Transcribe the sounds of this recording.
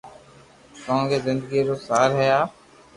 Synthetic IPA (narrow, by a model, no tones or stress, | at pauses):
koõːɡeːzɪnd̪əɡiːɾoːsaːɾɦɛjaː